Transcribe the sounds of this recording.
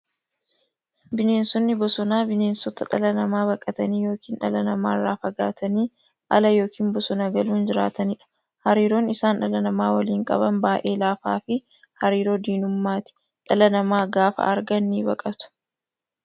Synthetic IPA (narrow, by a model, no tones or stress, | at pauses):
bɪne̞ːnsɔnːɪbɔsɔnaːbɪne̞ːnsɔt̪ɐᶑɐlɐnɐmaːβɐkʼɐt̪ɐniːjo̞ːkiːnᶑɐlɐnɐma̰ːrːaːfɐɡaːt̪ʰɐniː | ʔɐ̰lɐjo̞ːkʰiːmbɔsɔnaɡɐluːnd͡ʒɪɾa̰ːt̪ɐnɪᶑɐ̥ | hɐɾiːɾoːnɪsaːnᶑɐlɐnɐmaːwɐliːŋkʼɐ̰bɐnbaːʔe̞ːlaːfaːfɪ | hɐɾiːɾo̞ːd̪iːnʊmːaːt̪ɪ̥ | ᶑɐlɐnɐmaːɡaːfɐ̰ɐɾɡɐnːiːbɐkʼɐt̪ʊ̥